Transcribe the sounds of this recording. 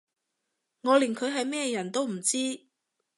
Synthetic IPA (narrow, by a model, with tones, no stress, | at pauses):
ŋɔː˨˧lɪ˨˩ŋkʰɵ˨˧ɥɦɐ˨jmɛː˥jɐ˨˩nt̪o˥wm̩˨˩t͡siː˥